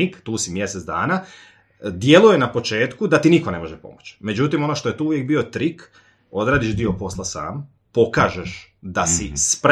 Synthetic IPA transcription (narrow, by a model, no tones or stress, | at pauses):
ikt̪uːsimje̞set̪d̪a̰ːna | d̪je̞luje̞napo̞t͡ʃe̞ːt̪kud̪at̪iniko̞ne̞mo̞ʒepo̞̰mot͡ɕme̞d͡ʑut̪imo̞noʃt̪oe̞t̪uːuʋjek̚bio̞t̪ɾik | o̞d̪ɾaːd̪iʃd̪io̞po̞slˠasa̰ːm | po̞kaːʒeʃd̪asispɾ